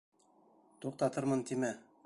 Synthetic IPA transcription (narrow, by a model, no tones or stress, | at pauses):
t̪uq̚t̪ɑt̪ɤɾmɤnt̪imæ